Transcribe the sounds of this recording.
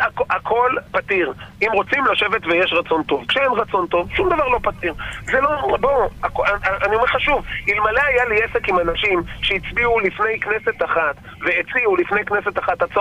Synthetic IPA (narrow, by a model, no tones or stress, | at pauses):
akakʰo̞lpat̪iʁimʁo̞t͡simlaʃe̞vet̪vejeʃʁat͡so̞nt̪o̞vkʃeenʁat͡so̞nt̪o̞vʃumd̪avaʁlo̞pat̪iʁzeloboakanio̞meʁχaʃuvilmaleajaliesekimanaʃimʃeit͡sbiulifne̞jkne̞se̞t̪aχat̪ | veet͡siulifne̞jknese̞t̪aχat̪at͡so